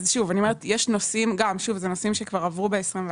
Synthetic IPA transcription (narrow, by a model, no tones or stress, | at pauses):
zʃuvanioeetjeʃno̞simɡamʃuvzenosimʃekvaʁavʁube̞esʁimve